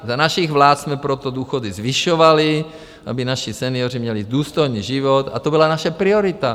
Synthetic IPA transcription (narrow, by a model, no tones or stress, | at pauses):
zanaʃiɣvlaːt̪smɛpɾot̪od̪uːxodizviʃovali | ʔa̰binaʃisɛniorimɲɛlid̪uːst̪ojniːʒivot̪a̰t̪obilanaʃɛpɾioɾit̪a